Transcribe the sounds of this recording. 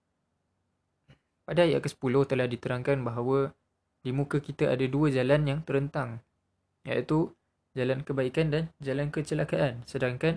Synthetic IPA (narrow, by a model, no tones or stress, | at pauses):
padaːja̰ʔkəsə̥pulʊht̪əlahdit̪əɾaŋkanbaɦawə | dimũkəkit̪aʔa̰daduəd͡ʒalanjaŋt̪əɾənt̪aŋ | ja̰ʔt̪u | d͡ʒalankəbaikandand͡ʒalankət͡ʃəlakaʔansədaŋkan